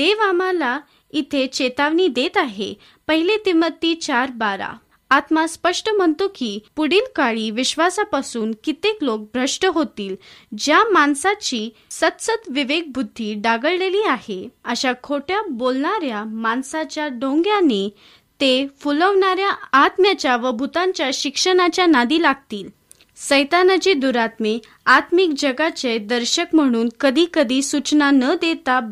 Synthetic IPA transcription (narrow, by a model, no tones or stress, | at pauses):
d̪eʋamala | it̪ʰet͡ɕet̪aʋɳid̪et̪aɦe | pəɦilet̪imət̪ːiːt͡ɕaɾbaɾa̰ | at̪maspəʂʈəm̤əɳt̪okiːpuɽiːlkaɭiːʋiɕʋasapasuːnkit̪eklok̚bʱɾəʂʈəɦot̪iːld͡ʑjamansat͡ɕiː | sət̪sət̪ʋiʋeɡ̚bud̪ʱːiːɖaɡəɭleliːaheəɕakʰoʈjabolɳaɾjamansat͡ɕjaɖõŋɡjane | t̪efuləʋɳaɾjaːt̪mjat͡ɕjaʋəbʱut̪ãɲt͡ɕjaɕikʂəɽ̃at͡ɕjanad̪iːlaɡt̪iːl | səjt̪anat͡ɕid̪uɾat̪me | at̪mik̚d͡ʑəɡat͡ɕed̪əɾɕəkm̤əɽ̃uːnkəd̪ʱiːkəd̪ʱiːsut͡ɕnanəd̪et̪a